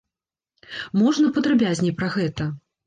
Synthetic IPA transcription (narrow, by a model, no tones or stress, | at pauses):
mɔʐnɐpɐd̪ɾabʲazʲnʲipɾɐɣɛt̪ɐ